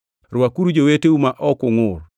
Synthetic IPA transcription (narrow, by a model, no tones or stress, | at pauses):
rwakuɾud͡ʒoweteumaʔɔkʊŋʊr